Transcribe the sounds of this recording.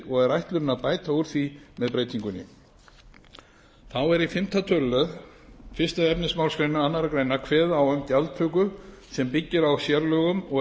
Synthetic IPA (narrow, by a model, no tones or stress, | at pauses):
ɔɣɛɾajht̪lʏɾɪnaðpaːjt̪auɾ̥θvimɛðpɾeːjt̪iŋkʏnɪ̰ | θawɛɾifɪm̥t̪ʰat̪ʰœllœð | fɪr̥st̪aðɛpnɪsmawlskɾejnʏanːaɾakɾeːjnakʰvɛːðawœmcalt̪ʰœːkʏ | sɛmpicːɪɾawsjaɾlœːɣʏmɔ